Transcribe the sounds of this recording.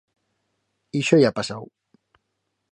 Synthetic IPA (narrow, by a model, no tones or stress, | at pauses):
iʃojapasaw